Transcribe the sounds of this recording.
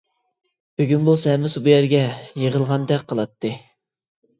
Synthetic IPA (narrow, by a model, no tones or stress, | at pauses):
b̥yɡʲynbusɛmɪsbujæɾɡʲɛjeʁəlˠʁɑnd̪ɛk̚ʲqʰəlˠɑt̪ʰːɨ